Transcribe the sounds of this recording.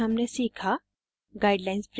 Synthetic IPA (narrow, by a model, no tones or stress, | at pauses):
ɐmnesiːkʰa | ɡaɪɖlaɪnspɾ